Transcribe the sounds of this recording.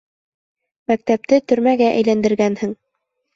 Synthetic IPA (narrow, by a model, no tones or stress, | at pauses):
mæk̚t̪æp̚t̪ɘt̪ɵ̆ɾmæɡæʔæ̰jlænd̪ɘ̆ɾɡænhɘŋ